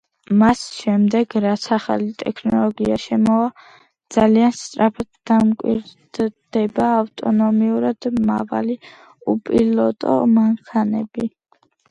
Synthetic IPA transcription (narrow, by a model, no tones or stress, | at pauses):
masʃɛmd̪ɛɡɾat̪sʰaχalit̪ʼɛkʰnɔlˠɔɡiaʃɛmɔa | d̪z̥alianst̪sʼɾapʰad̪d̪amkʼwḭɾd̪̥d̪̥ɛbaːft̪ʼɔnɔmiuɾad̪̥ma̰va̰li | upʼilɔt̪ʼɔ̰maŋkʰanɛbi